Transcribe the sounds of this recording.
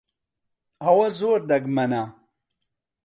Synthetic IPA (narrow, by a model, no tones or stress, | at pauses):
ɐwɐzoːɾd̪ɐɡmɐna